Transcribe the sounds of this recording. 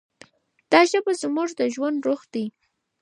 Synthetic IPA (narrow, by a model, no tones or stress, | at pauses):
d̪̥ɑʒəbazmuʐd̪əʒwand̪ɾoxd̪i